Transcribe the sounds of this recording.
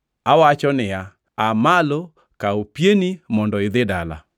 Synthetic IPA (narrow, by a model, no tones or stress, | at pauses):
awat͡ʃɔnɪja | amalo | kaopjenimɔndɔɪd̪ɪdala̰